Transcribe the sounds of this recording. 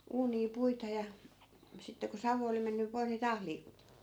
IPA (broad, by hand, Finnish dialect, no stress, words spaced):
uːniː puitɑ jɑ sitːe ku sɑʋu oli menːy poih̆ ni tɑːh liːkutetːiː